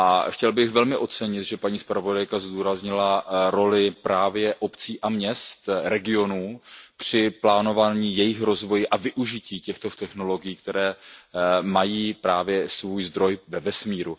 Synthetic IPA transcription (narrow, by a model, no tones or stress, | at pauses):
ʔaxcɛlbɪxvɛlmɪʔo̞t̪t͡sɛɲɪt̪ʒɛpaɲiːspɾavo̞dajkazd̪uːɾazɲɪlaɾo̞lɪpɾaːvjɛʔo̞pt͡siːʔamɲɛst̪ɾɛɡɪo̞nuːpr̝̥ɪplaːno̞vaːɲiːjɛjɪxɾo̞zvo̞jɪʔavɪʔuʒɪciːcɛxt̪ot̪ɛxno̞lo̞ɡɪjiːkt̪ɛɾɛː | majiːpɾaːvjɛsvuːjzd̪ɾo̞jvɛvɛsmiːɾu